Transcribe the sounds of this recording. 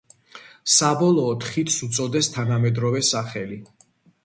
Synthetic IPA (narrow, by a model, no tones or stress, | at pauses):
sabɔlˠɔːt̪ʰχit̪ʰsut̪sʼɔd̪ɛst̪ʰanamɛd̪ɾɔvɛsaχɛli